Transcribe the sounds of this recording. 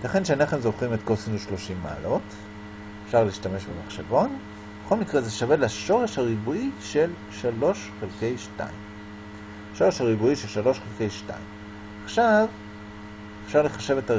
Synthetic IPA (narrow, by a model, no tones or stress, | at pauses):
laχenʃaneχemzo̞χimetkosineʃlo̞ʃimːa̰ːlo̞t | efʃaʁliːʃtame̞ʃbemaχʃevo̞n | beχo̞lmikʁezeʃavelaʃo̞ʁe̞ʃhaʁibuiʃe̞l | ʃalo̞ʃχelke̞jʃta̰im | ʃo̞ʁeʃaʁibuiʃe̞lʃalo̞ʃχelke̞jʃta̰im | aχʃav | efʃaʁleχaʃe̞veta